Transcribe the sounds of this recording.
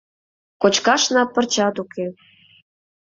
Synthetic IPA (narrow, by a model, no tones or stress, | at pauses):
kot͡ɕkɑʃnɑpːə̆rt͡ɕɑt̪uke